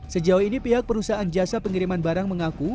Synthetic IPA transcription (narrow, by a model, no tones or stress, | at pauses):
səd͡ʒauinipiɦak̚pəɾusaand͡ʒasapəŋiɾimanbaɾaŋməŋaku